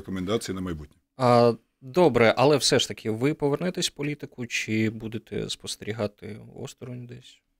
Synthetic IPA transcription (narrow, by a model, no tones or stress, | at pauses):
kɔmɛnd̪ɑt͡s̪ʲijinɐmɐjbut̚ʲnʲi | ɐ | d̪ɔbɾɛʔɐlˠɛwsɛʂt̪ɐkʰʲɪʋɪpɔʋernɛt̪ɛsʲpɔlʲit̪ɪkʊt͡ʃɪbud̪et̪ɛ̰spɔst̪eɾʲiɦɑt̪ɪ̰ɔ̰st̪ɾɔnʲd̪ɛsʲ